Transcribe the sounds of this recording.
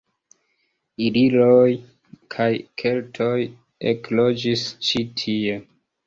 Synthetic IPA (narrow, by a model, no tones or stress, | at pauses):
ililoj | kʰajkʰe̞ltʰo̞j | eklo̞d͡ʒist͡ʃitʰie̞